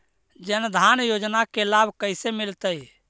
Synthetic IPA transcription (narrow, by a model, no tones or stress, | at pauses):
d͡ʒənd̪ʱanjod͡ʒnakelabʱkəɪsemilt̪əj